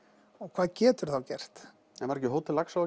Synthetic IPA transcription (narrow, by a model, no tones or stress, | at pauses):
ɔɣkʰvaːðcɛːt̪ʏɾ̥θawcɛr̥t̪ | ɛmaɾɛcːɪɦowt̪ʰɪlaksa